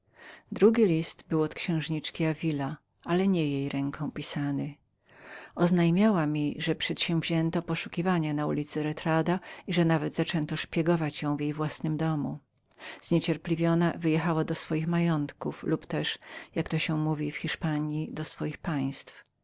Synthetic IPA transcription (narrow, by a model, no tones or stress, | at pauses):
d̪ɾuɡʲilʲist̪bɘwɔt̪kɕɛ̃w̃ʐɲit͡ʂkʲiavʲila | ʔalɛɲɛjejɾɛŋkʰɔ̃w̃pʲisanɘ | ɔznajmʲjawamʲiʐɛpʂɛt̪ɕɛ̃w̃vʑɛnt̪ɔpɔʂukʲivaɲanaulʲit̪sɘɾɛt̪ɾad̪aiʐɛnavɛd̪zat͡ʂɛnt̪ɔʂpʲjɛɡɔvat͡ɕjɔ̃w̃vjejvwasnɘmd̪ɔmṵ | z̥ɲet͡ɕɛɾpʲlʲivʲjɔnavɘjɛxawad̪ɔsfɔjixmajɔnt̪kuflupt̪ɛʂjakt̪ɔɕɛmuvʲifxʲiʂpaɲjid̪ɔsfɔjixpaj̃st̪f